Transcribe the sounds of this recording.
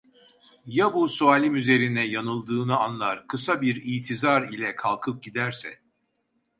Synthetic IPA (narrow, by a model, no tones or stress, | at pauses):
jabusuaːlʲimyze̞ɾinɛjanɯlˠd̪ɯːnɯanlˠaɾkʰɯsabiɾijt̪ʰizaɾilʲɛkʰalˠkʰɯp̚ɟid̪æɾsɛ̰